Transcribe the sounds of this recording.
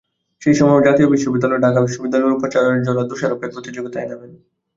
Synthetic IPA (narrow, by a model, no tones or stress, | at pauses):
ʃejʃɔmɔed͡ʑat̪iobiʃːobid̪ːaloɖʱakabiʃːobid̪ːalɔɾupot͡ɕaɾoneɾd͡ʑonːad̪uʃaɾokeɾpɾot̪id͡ʑoɡit̪aeneben